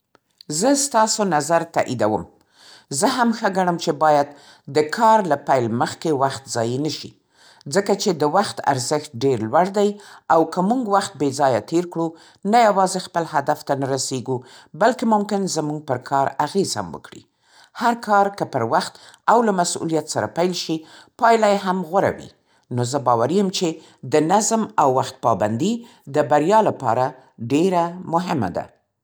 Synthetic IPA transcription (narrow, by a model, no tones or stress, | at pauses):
zəst̪ɑsonazaɾt̪a̰ʔid̪awə̰m | zəɦamxaɡaɳəmt͡ʃebɑjad̪ | d̪əkʰɑɾlapajlməxkewaxt̪zɑjinəʃḭ | d͡zəkat͡ʃed̪əwaxt̪a̰ɾzəxt̪̚ɖeɾlwaɽd̪ajawkəmuŋɡwaxt̪̚bezɑjat̪eɾkɽu | najawɑzexpəlhad̪aft̪anaɾaseɡu | balkemʊmkɪnzəmuŋɡ̚pəɾkʰɑɾaɣez̥ha̰mwə̰kɽḭ | haɾkʰɑɾkəpəɾwaxt̪awlamasṵlijat̪saɾa̰pajlʃipɑjlajeɦamɣwaɾa̰wḭ | nozəbɑwaɾijəmt͡ʃe | d̪ənazmawːaxt̪̚pɑband̪i | d̪əbaɾjɑlapɑ̰ɾa | ɖeɾamʊɦɪma̰d̪a̰